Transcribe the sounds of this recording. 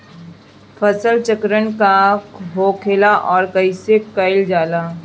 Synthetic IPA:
fʰəsəlt͡ʃəkɾənkaɦoːkʰeːlaʔɔːɾkɐisekɐɪld͡ʒaːlaː

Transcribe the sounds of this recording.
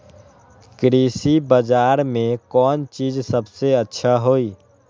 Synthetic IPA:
kɾiːsibəd͡ʒaːɾmẽkɔːnt͡ʃiːzsəbseətːʃʰaɦoːiː

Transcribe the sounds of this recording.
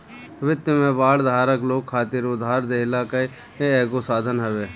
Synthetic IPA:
ʋɪt̪jəmẽbaːld̪ʱaːɾəkloːkkʰaːt̪ɪɾʊd̪ʱːaːɾd̪eːɦɪlaːkəi | ɛːɡosaːd̪ʱənɦəʋeː

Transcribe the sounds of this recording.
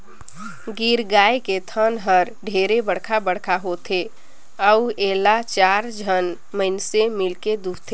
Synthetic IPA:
ɡiːɾɡaːeket̪ʰənɦəɾɖʱeːɾebəɽkʰabəɽ̤kʰaɦot̪ʰe | əueːlat͡ʃaːɾd͡ʒʱən | məɪnsemɪlked̪uːt̪ʰe

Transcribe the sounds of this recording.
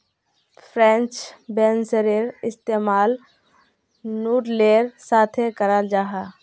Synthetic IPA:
pʰɾẽnt͡ʃbeːnsəɾeɾɪst̪eːmaːl | nuːɾleːɾsaːt̪ʰekəɾəld͡ʒaːɦa

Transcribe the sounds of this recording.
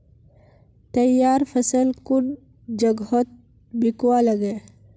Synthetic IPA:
t̪əjaːɾfʰəsəlkuɖ | d͡ʒəɡɦot̪̚ | bikwaləɡe

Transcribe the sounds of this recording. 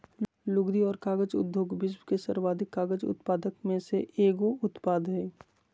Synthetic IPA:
lʊɡd̪iɔːɾkaːɡəd͡ʒʊ̰d̪ʱjoːɡbɪsbkesəɾwaːd̪ʱɪkːaːɡəd͡ʒʊ̰t̪paːd̪əkmẽseʔeːɡoʊt̪paːd̪ɦɛː

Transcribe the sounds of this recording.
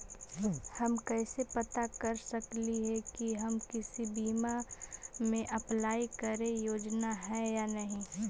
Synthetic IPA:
hɐmkɛːsepɐt̪akɐɾsɐkliɦɛkiɦɐmkɪsibiːma | mẽʔɐplaːikɐɾẽjoːd͡ʒnaɦɛjaːnɐɦĩ

